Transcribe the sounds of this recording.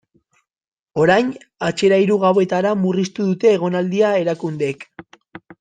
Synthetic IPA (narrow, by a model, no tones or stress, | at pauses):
o̞ɾajn | at͡ʃe̞ɾaiɾuɣawe̞t̪aɾamurist̪uðut̪e̞ːɣ̞o̞nald̪iae̞ɾakund̪e̞k